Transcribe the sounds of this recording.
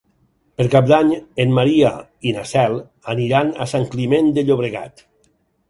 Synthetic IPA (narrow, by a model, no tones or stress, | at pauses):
peɾkap̚d̪aɲenmaɾiainasɛl | aniɾanasaŋklimend̪eʎoβ̞ɾeɣa̰t̪